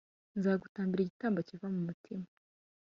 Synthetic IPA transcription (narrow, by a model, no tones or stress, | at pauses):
nzaːɡutaːmbiɾiɟitaːmbacivamumutʰima